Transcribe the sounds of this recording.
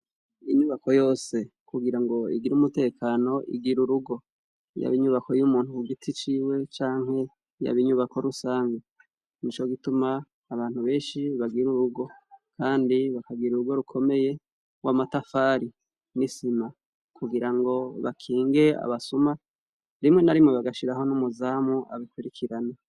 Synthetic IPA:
iɲuβako̞jo̞ːse̞kuɡiɾaŋɡo̞ḭɡiɾumute̞ːkaːno̞ʔḭɡiɾuɾuɡo̞ | ja̰βiɲuβako̞jumuːn̥uuɡitʰit͡ʃiːwe̞t͡ʃaːŋɦe̞ | ja̰βiɲuβakʰo̞ɾusaːŋɡa | nit͡ʃo̞ɡitumaː | βaːn̥huβe̞ːnʃiβaɡiɾuɾuɡo̞kʰaːndiβakaɡiɾuɾuɡo̞ɾukʰo̞me̞je̞ | wamatafaːɾi | nisima | kuɡiɾaŋɡo̞βa̰kʰiːŋɡe̞a̰βasuma | ɾimŋe̞naɾimŋeβaɡaʃiɾaɦo̞numuzaːmuʔa̰βikwiɾikʰiɾana

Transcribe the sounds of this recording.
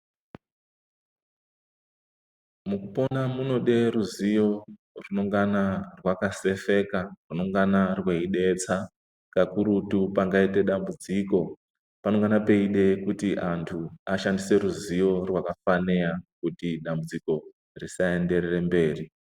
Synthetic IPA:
mukupo̞namuno̞ɗe̞ɾuzijo̞ | runo̞ŋɡanarwakase̞fe̞karuno̞ŋɡanarweiɗe̞t͡sa | kakuɾutupaŋɡaite̞ɗambud͡ziːko̞ | pano̞ŋɡanape̞iɗe̞kutiʔantʰuaʃandise̞ɾuzijo̞rwakafaneakutiɗambud͡ziko̞ | risae̞nde̞rere̞mbe̞ːri

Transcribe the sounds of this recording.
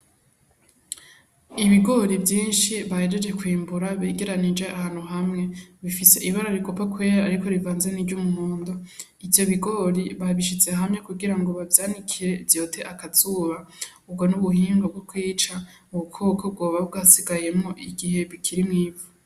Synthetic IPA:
iβiɡo̞ɾibjiːnʃiβahed͡ʒe̞d͡ʒe̞kwiːmbuɾaβeːɡe̞ɾanid͡ʒe̞ʔahaːn̥huɦamŋe̞βifise̞ʔiβaɾaɾikopakwe̞ːɾaːɾiko̞ɾivaːnze̞niɟumumuːndo | ivjo̞βiɡo̞ɾiβaβiʃ̬it͡se̞ɦamɲe̞kuɡiɾaŋɡo̞βavjaːnikʰiɾe̞vjo̞ːtʰe̞ʔakaz̥uːβa | ub̚ɡo̞nuβuhiːŋɡob̚ɡokwiːt͡ʃa | uβukʰoːkʰob̚ɡo̞ːβaubɡasiɡaje̞mŋo̞ʔiɡiɦe̞βikʰiɾimŋiːvu

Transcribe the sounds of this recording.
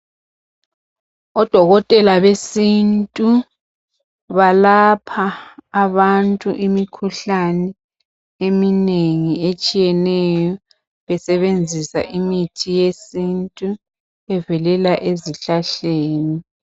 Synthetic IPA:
ɔd̥ʱɔɣɔtʼɛlaβesintʼu | βalapʰaːβantʼuʔimikʰuɬanɛ | emineŋiet͡ʃʼijɛnɛjɔ | βɛsɛβend͡zʱisa̰ʔimitʰijesintʼu | ɛvɛlɛlaʔeziɬaɬeːni

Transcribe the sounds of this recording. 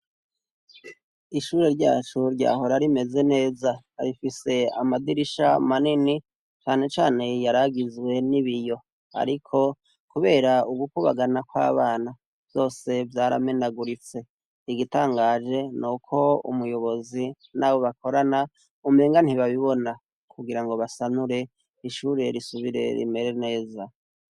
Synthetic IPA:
iʃuːɾe̞ɾɟa̰ːt͡ʃuɾɟa̰ːho̞ɾaɾime̞ze̞ne̞ːza | ɾifise̞amadiɾiʃamanini | t͡ʃaːne̞t͡ʃaːne̞jaɾaɡizwe̞niβijo̞ | a̰ɾikʰo̞ | kuβeːɾauɡukuβa̰ɡanakwa̰ːβaːna | vjo̞ːse̞vjaːɾa̰me̞naɡuɾit͡se̞ | iɡitaːŋɡaːd͡ʒe̞nukʰo̞ṵmujo̞βo̞zi | naːβo̞βakʰo̞ɾana | umeːŋɡan̥hiβaβiβo̞na | kuɡiɾaŋɡo̞βasanuɾe̞ | iʃuːɾe̞ɾisuβiɾe̞̰ɾḭme̞ɾe̞ne̞ːza

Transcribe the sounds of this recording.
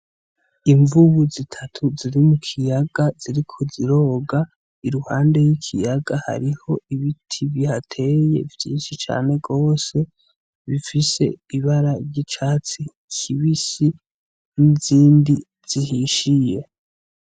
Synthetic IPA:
iɱvuβuzitʰatʰuziɾimukʰijaɡaz̥iɾikʰoziɾo̞ːɡa | iɾuhaːnde̞jikʰḭjaɡaha̰ɾiho̞iβitʰiβihatʰe̞je̞̰vjiːnʃit͡ʃa̰ːne̞ɡo̞ːse̞ | βifise̞̰iβaɾaɾɟit͡ʃaːt͡si | kʰiβisi | niziːndi | z̥ihiʃije̞

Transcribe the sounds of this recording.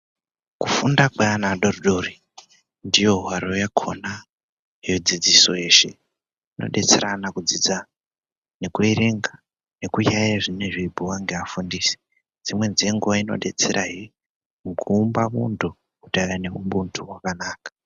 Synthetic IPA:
kufundakweanaɗoruɗori | ndijo̞ɦwaɾojakʰona | jod͡zid͡ziso̞e̞ːʃe̞̰ | ino̞̰ɗe̞t͡seɾanakud͡zid͡za | ne̞kuiriŋɡa | ne̞kujajaʐineʐibʱuwaŋɡeafundiːsi̥ | d͡zimwe̞nd͡zieŋɡuwaino̞̰ɗe̞t͡seɾʔaɦi | mkʰuːmbamuntu | kutaɾane̞umɓuntʰuwakanaːkḁ

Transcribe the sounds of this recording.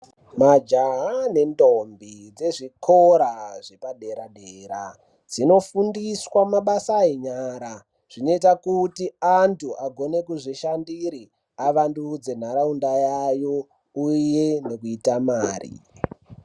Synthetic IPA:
mad͡ʒaɦane̞ndombid͡ze̞ʐikʰoɾaʐepaɗe̞ɾaɗeːɾa̰ | d͡zino̞fundiswamaɓasaeɲaɾa | ʐ̥ino̞itakutiantʰuʔaɡʱo̞ne̞kuʐiʃandiɾi | aʋandud͡ze̞n̤aɾaundajajo | uje̞ne̞kuitamaːrḭ

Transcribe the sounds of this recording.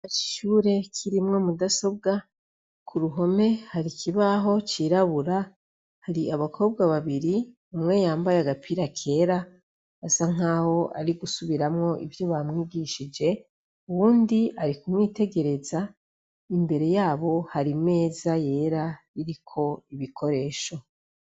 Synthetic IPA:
ai̥ʃuːɾe̞kʰiɾimŋo̞mudaso̞b̚ɡa | kʰuɾuɦo̞me̞haɾikʰiβaɦo̞t͡ʃiːɾaβuɾa | haɾiaβakʰo̞ːb̚ɡaβaβiɾi | umŋe̞jaːmbajeaɡapʰiɾakʰe̞ɾa | asaŋ̥aːho̞ʔa̰ɾiɡusuβiɾamŋo̞ʔḭvjoβamŋiːɡiʃid͡ʒe̞ | uβuːndiaɾikumŋiːte̞ɡe̞ɾe̞za | imbe̞ɾe̞jaːβo̞haɾime̞ːzaje̞ːɾa | iɾikʰo̞iβikʰo̞ɾe̞ːʃo̞

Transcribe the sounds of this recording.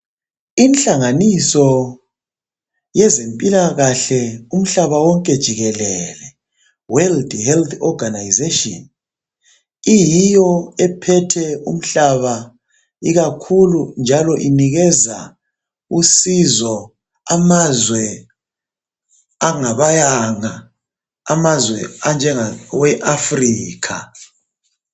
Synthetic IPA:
inɬaŋanisɔ | jɛzempʼilaɣaɬɛum̩ɬaβawɔŋkʼɛd̥ʒ̥ʱiɣɛlɛlɛ | wɛldhɛlt̪ʰɔɡanajzeʃʼɔn | ijijɔɛpʰɛtʰɛum̩ɬaβa | iɣakʰulund͡ʒʱalɔʔiniɣɛza | usizɔ | amazwɛ | aŋaβajaŋa | amazwɛand͡ʒʱɛŋawɛʔafriːkʰa

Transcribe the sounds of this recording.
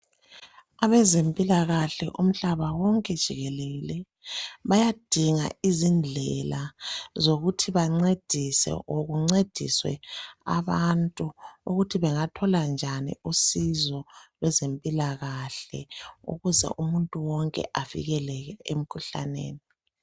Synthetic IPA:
aβɛzempʼilaɣaɬɛʔum̩ɬaβawɔŋkʼɛd̥ʱiɣɛleɣilɛ | βajad̥ʱiŋa̰izind͡ɮʱɛlazoɣutʰiβaŋ͡ǀed̥ʱisɛ̰ʔoɣuŋ͡ǀed̥ʱḭswɛ̰a̰βantʼuuɣutʰiβɛŋatʰɔland͡ʒʱanḭusizɔlwɛzempʼilaɣaɬɛ̰ṵɣuzɛ̰ʔumuntʼuwɔŋkʼɛ̰ʔavḭɣɛlɛɣɛem̩kʰuɬa̰nḛːni

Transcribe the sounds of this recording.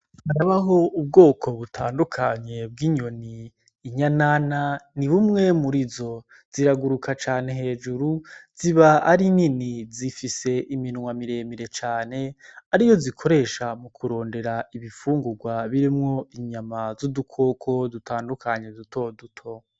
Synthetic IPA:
haɾaβaɦo̞ub̚ɡo̞ːkʰo̞βutʰaːndukʰaɲe̞b̚ɡiɲo̞niː | ɲanananiβumŋe̞muɾizo̞ | z̥iɾaɡuɾukʰat͡ʃaːne̞ɦe̞ːd͡ʒuɾuz̥iβaaɾininizifise̞ʔiminuŋwamiɾe̞ːmiɾe̞t͡ʃaːne̞aɾijo̞zikʰo̞ɾe̞ːʃamukʰuɾo̞ːnde̞ɾaiβifuːŋɡuɡwaβiɾimŋo̞iɲamazudukʰo̞kʰo̞dutʰaːndukʰaɲe̞dutʰo̞dutʰo̞

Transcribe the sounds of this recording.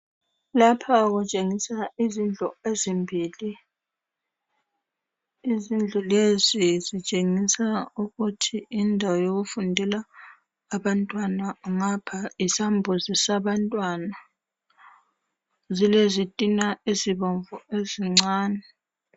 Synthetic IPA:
lapʰaɣut͡ʃʼeŋisaizind͡ɮʱɔezimbʱiːli | izind͡ɮʱɔlezizit͡ʃʼeŋisauɣutʰiindʱawajoɣufundʱɛlaː | βantʼwanaŋapʰaisambʱuzisaβantʼwana | zilezitʼinaiziβɔɱvɔeziŋ͡ǀaːnɛ

